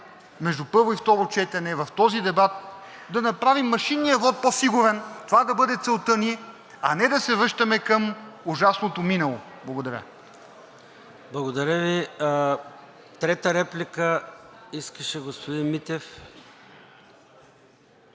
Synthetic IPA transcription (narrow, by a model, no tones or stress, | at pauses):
mɛʒd̪upɤɾvoift̪ɔɾot͡ʃɛt̪ɛnɛvɐft̪ɔzid̪ɛbat̪̚ | d̪ɐnɐpɾavimːɐʃinːijɐvɔt̪̚pofiɡovɛnt̪ovad̪ɐbɤd̪ɛt̪sɛlˠt̪əniɛ | ɐnɛd̪ɐsɛvɾɤʃt̪ɐmɛkɐmuʒasnot̪ominɐlˠo̰ | blˠɐɡod̪ɐɾʲə̰ | blˠɐɡod̪ɐɾʲəvi | t̪ɾɛt̪əɾɛplʲikəiskəʃɛɡospod̪inmit̪ɛf